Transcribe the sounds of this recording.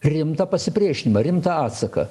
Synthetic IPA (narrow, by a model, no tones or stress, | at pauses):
ɾʲɪmt̪ɐpɐsʲɪpʲɾʲiɛʃʲɪnʲɪmɐɾʲɪmt̪ɐɑːt̪sɐkɐ̰